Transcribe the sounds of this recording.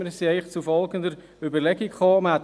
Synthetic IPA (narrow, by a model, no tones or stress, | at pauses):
əɾsiɛɪχt͡sufɔlɡənd̪əɾ | ybəɾlɛɡikχoːmæt